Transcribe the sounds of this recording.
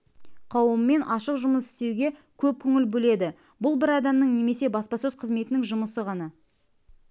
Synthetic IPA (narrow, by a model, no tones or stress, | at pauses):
qʰɑwəmːe̞nʔɑʃəqʒʊməsɪ̥st̪e̞wɡʲe̞kʲʰɵp̚kʲʰɵŋʲɪlbɵle̞d̪ɪ | bʊlˠbɪɾɑd̪ɑmnəɴne̞me̞se̞bɑspɑsɵz̥qʰəzme̞t̪ɪnɪŋʒʊməsəʁɑnɑ